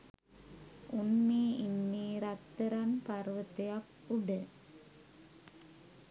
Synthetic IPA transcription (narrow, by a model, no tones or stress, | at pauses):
unːiːinːiɾat̪ːəɾanparʋət̪ejak | uɖə